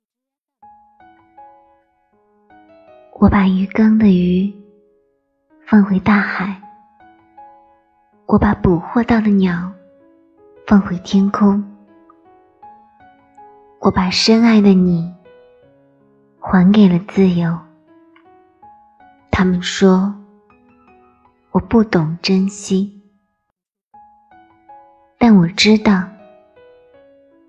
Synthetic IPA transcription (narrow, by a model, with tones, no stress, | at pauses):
wʔɔ˧˥pa˨˩y˧˥kɤ˥ŋd̪ə˨y˧˥ | fə˥˩ŋxwe˧˥ɪt̪a˥˩xa˨˩˦ɪ | wʔɔ˧˥pa˧˥pu˨˩xwɔ˥˧t̪ɑ˥˩ʊd̪ə˩njɑ˨˩˦ʊ | fɤ˥˩ŋxwe˧˥ɪt̪ʰjɛ˥nkʰʊ˥ŋ | wʔɔ˧˥pa˨˩ʂə˥na˥˩ɪd̪ə˨˩ni˨˩ | xwa˧˥nke˨˩ɪlə˦t͡sɹ̩˥˩jo˧˥ʊ | t̪ʰa˥mə˨nʂwɔ˥ | wɔ˨˩pu˥˩t̪ʊ˨˩ŋʈ͡ʂə˥nɕi˥ | t̪a˥˩nwɔ˨˩ʈ͡ʂɻ̩˥t̪ɑ˥˩ʊ